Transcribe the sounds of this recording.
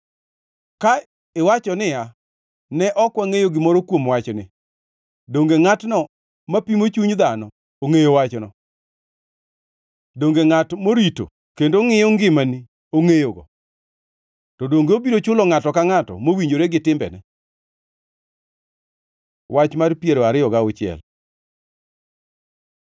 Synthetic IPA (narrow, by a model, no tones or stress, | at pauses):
ka | ɪwat͡ʃɔnɪa | nɛʔɔkwaŋejoɡɪmɔɾɔkwomwat͡ʃɔnɪ̰ | doŋɡeŋatnɔ | mapimot͡ʃuɲd̪anɔ | oŋejowat͡ʃnɔ̰ | doŋɡeŋatmoɾito̰ | kendoŋɪjoŋɡɪmani | oŋejoɡɔ̰ | tɔdoŋɡeobiɾot͡ʃʊlɔŋatɔkaŋatɔ̰mowiɲd͡ʒoɾeɡɪtɪmbɛ̰nɛ | wʔat͡ʃmarpjeɾoaɾɪjɔɡaʊt͡ʃɪɛ̰l